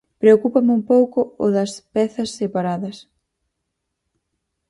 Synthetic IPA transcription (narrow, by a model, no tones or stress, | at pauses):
pɾeokupɐmɪumpowkʊʊðɐspɛθɐsːepaɾaðɐs